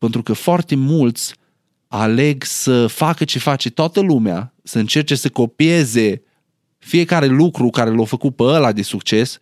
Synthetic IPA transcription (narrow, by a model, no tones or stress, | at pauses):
pent̪ɾukəfoart̪e̞mult̪sʲ | ale̞ɡsəfakət͡ʃefat͡ʃe̞t̪oat̪əlumea̰ | səɨnt͡ʃe̞rt͡ʃe̞səko̞pie̞ze̞ | fije̞kaɾe̞lukɾukaɾelofəkupəəlad̪e̞sukt͡ʃe̞s